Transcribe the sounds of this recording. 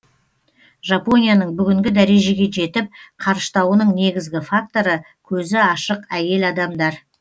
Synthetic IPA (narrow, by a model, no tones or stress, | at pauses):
ʒapo̞nijanəɴbʏɡʲɪŋɡʲɪd̪æɾe̞ʒe̞ɡʲe̞ʒe̞t̪ɪp̚qʰɑɾʃt̪ɑwənəɴne̞ɡʲɪzɡʲɪfak̚t̪o̞ɾə | kʲʰɵzɪɑʃəqæje̞lɑd̪ɑmd̪ɑɾ